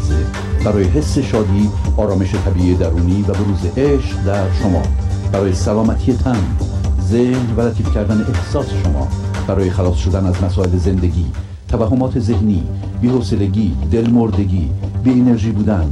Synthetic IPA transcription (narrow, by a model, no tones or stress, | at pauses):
ze | b̥æɾɒːje̞ɦe̞sːe̞ʃɒːd̪iːɒːɾɒːme̞ʃe̞t̪ʰæbiːʔiːed̪æɾuːniːvæbe̞ɾuːzeʔeʃqd̪æɾʃomɒ̰ːb̥æɾɒːje̞sælɒːmæt̪ʰiːjet̪ʰænzehnvælæt̪ʰiːfcʰæɾd̪æne̞ʔehsɒːse̞ʃomɒ̰ːb̥æɾɒːje̞xælɒːsʃo̞d̪ænæzmæsɒːe̞leze̞nd̪e̞ɟiː | t̪ʰævæɦːomɒːt̪ʰe̞ze̞hniː | biːhoːse̞le̞ɟiːd̪e̞lmoɾd̪e̞ɟiːbiːene̞ɾʒiːbuːd̪æn